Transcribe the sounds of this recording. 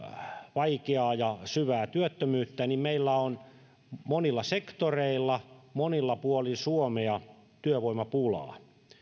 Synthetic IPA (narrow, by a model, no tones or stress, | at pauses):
ʋɑikeɑːjɑsyʋæːt̪yøt̪ːømyːt̪ːænimmeilːæon | monilːɑsekt̪oreilːɑmonilːɑpuolinsuomeɑt̪yøʋoimɑpulɑ̰ː